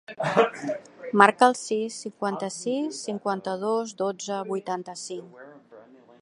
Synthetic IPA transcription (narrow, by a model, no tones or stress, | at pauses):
maɾkəːlˠsisːiŋkwant̪əsisːiŋkwant̪əð̞ozd̪od͡zəβujt̪ant̪əsiŋk